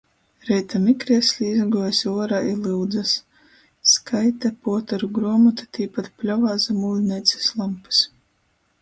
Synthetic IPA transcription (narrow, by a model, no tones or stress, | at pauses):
ɾɛjt̪amikɾiɛsʲlʲiizɡuɔjsʲuɔɾailˠɨwd̪zasː | kʰajt̪apuɔt̪aɾuɡɾuɔmɔt̪ḁt̪ʰiːpat̪plʲɔvaːzamuːlʲnɛjt̪sʲe̥slˠampɨ̥s